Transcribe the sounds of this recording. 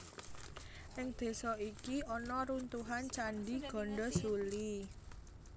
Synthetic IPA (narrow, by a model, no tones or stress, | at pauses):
ʔɪŋd̪̥e̤sɔikiɔnɔɾunt̪uɦant͡ʃanɖiɡ̥ɔ̤ɳɖɔsuli